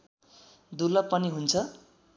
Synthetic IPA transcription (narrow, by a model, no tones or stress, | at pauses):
d̪ulʌpːʌniɦunt͡sʰʌ